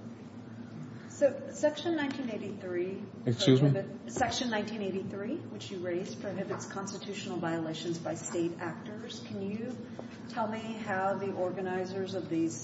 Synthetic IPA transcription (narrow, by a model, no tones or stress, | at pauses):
soʊsɛkʃɨ̃nːãɪ̃ntʰĩneɪɾiθɹi | ɨkskʉzsɛkʃɨ̃nːãɪ̃ntʰĩneɪɾiθɹiwɨt͡ʃjɨɹeɪz̥pʰɹ̥oʊɦɪbɨtskʰɑ̃nstɨtʰʉʃnl̩ˠvaɪəleɪʃɨ̃nzbaɪsteɪɾæk̚tə˞z̥kʰɨ̃njɨ | tʰɛlˠmiɦaʊðiʔɔɹɡɨnaɪzə˞zʌvðiz̥